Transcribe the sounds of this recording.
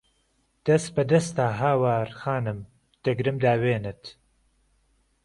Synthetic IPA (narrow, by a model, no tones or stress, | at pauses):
d̪̥ɐst̪̚bɐd̪ɐst̪aːɦaːwaːɾxaːnɨm | t̪ɐɡɾɨmd̪aːweːnɨt̪